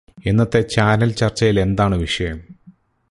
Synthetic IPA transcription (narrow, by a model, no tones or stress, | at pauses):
enːɐt̪ːe̞t͡ɕaːnɐlt͡ɕɐrt͡ɕːɐjile̞nd̪aːɳɨʋiʂɐjɐm